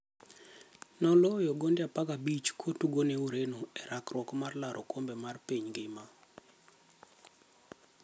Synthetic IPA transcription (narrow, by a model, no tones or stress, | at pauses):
nɔlojɔɡondɪapaɡabit͡ʃkʰotuɡoneuɾenoɛɾakrwɔkmarlaɾʔokombemarpiɲɡɪma